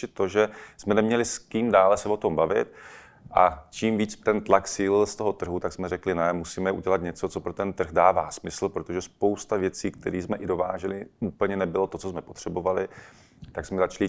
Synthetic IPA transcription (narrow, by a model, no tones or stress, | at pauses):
ɪt̪t̪ːo̞ʒɛsmɛnɛmɲɛlɪskiːmdaːlɛsɛvo̞t̪o̞mbavɪ̰t̪̚ | ʔat͡ʃiːmviːt͡st̪ɛnt̪laksiːlɪlst̪o̞ɦo̞t̪r̩ɦut̪aɡsmɛɾɛklɪnɛmusiːmɛʔuɟɛlat̪ɲɛt͡so̞t͡so̞pɾo̞t̪ɛnt̪r̩ɣdaːvaːsmɪsl̩pɾot̪oʒɛspo̞wst̪avjɛt͡siːkt̪ɛɾiːsmɛʔɪdo̞vaːʒɛlɪuːpl̩ɲɛnɛbɪlo̞t̪o̞t͡sosmɛpot̪r̝̥ɛbo̞valɪ | t̪aksmɛzat͡ʃlɪ